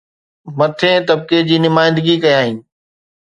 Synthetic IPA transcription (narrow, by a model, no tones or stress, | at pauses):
mɐt̪ʰẽːt̪ɐb̚ked͡ʑiːnɪmaːɪ̃nd̪ɪɡikɐjãːɦiːnɪ̆